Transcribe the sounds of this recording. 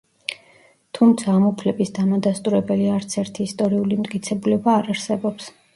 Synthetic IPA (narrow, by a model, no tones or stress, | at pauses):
t̪ʰumt̪sʰaːmupʰlɛbisd̪amad̪ast̪ʼuɾɛbɛliaɾt̪sʰɛɾt̪ʰiːst̪ʼɔɾiulimt̪ʼkʼit̪sʰɛbulɛbaːɾaɾsɛbɔps